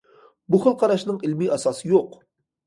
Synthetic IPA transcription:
buχəlˠqʰɑɾɑʃnɨŋɪlmiɑsɑsɨjoq

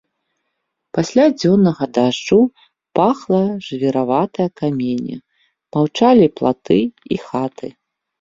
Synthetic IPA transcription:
pasʲlʲad͡zʲɔnːɐɣɐd̪aʐd͡ʐu | paxlˠɐʐɨvʲɛɾavat̪ɐjɐkamʲenʲɐ̰ | mawt͡ʂalʲiplˠa̰t̪ɨixat̪ʰɨ

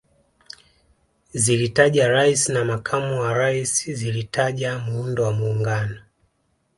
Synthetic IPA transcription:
zilitaʄaɾaisinamakʰamuwaɾaisizilitaʄamuundɔwamuːŋɡanɔ

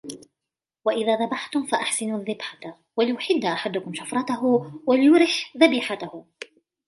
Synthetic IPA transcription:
waʔɪðaːðabaħt̪ʊmfaʔaħsɪnuːðːɪbħa | walɪjʊħɪd̪ːaʔaħad̪ʊkʊmʃafɾˤɑt̪aɦʊwalɪjʊɾɪħðabiːħat̪ahʊ

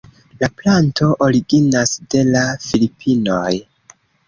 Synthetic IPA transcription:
laplanto̞ʔoɾiɡinasde̞lafilipʰino̞j

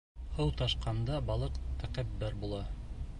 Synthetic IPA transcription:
hɤwt̪ɑʃqɑnd̪ɑbɑlˠɤqt̪æqæpːæɾbulˠɑ

